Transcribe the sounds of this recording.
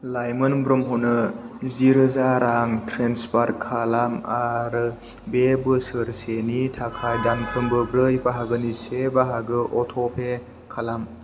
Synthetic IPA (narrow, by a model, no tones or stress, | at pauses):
lajmɯnbɾɯmɦunɯziɾɯzaɾaŋtʰɾenspaɾkʰalamaɾɯ | bebɯsɯɾsenitʰakʰajdankʰɯmbɯbɾɯjbaɦaɡɯnisebaɦaɡɯʔɔtʰɔpʰe | kʰalam